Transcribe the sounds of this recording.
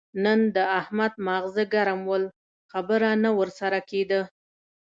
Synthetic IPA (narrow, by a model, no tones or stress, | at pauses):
nənd̪əahmad̪̚maɣzəɡaɾamwəl | xabəɾanawəɾsaɾaked̪ə